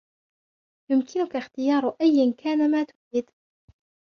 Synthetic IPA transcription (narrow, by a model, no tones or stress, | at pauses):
jʊmkʰɪnʊkaxt̪ɪjɑːɾˤʔajːankʰaːnamaːt̪ʊɪd̪